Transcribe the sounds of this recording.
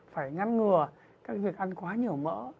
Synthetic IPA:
faː˧˩jŋa˧nŋɨ˨˩ə | kaː˦˥k̚vi˨˩ək̚ʔa˧nkwaː˨˦ɲi˨˩əwmə̰ː˧˥

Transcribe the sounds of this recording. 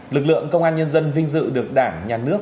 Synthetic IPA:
lɨ˨˩k̚lɨ̰˧˨əŋkə˧wŋ͡mʔaː˧nɲə˧nzə˧nvï˧ŋ̟zɨ̰˧˨ɗɨ˨˩ək̚ɗaː˧˩ŋɲaː˨˩nɨ˦˥ək̚

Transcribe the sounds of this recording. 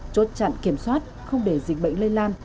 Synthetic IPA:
t͡ɕo˨˦˥t̚t͡ɕa̰˧˨nki˧˩əmswaː˦˥t̚ | xə˧wŋ͡mɗe˧˩zḭ˨˩ŋ̟̚ɓə̰˧˨jŋ̟lə˧nlaː˧n

